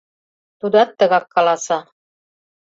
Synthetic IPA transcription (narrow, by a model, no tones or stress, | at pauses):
t̪ud̪ɑt̪ːɤ̆ɣɑkːɑlˠɑsɑ